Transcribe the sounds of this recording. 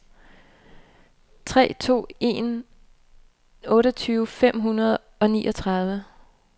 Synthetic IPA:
t͡sʰʁɛ̰ːt͡sʰo̝̰ːe̝n | ɔ̽ːɾɒt͡sʰyːʊfem̰ɦunɐð̞̩ˠ | ɒ̽nḭːʔɒ̽t͡sʰʁɑ̈ð̞ˠʋə

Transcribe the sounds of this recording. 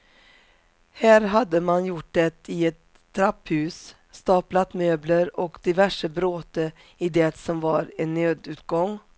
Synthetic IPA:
hæːɾɦad̪ːəmanjʊʈd̪ɛt̪ɪɛt̪ʰː | ɾaphʉ̟ːs | st̪ɑːplat̪møːbləɾɔkd̪̥ɪvæʂəbɾoːt̪ə | ɪd̪ɛt̪sɔmvaɾɛnːøːd̪ʉ̟ːt̪ɡɔŋː

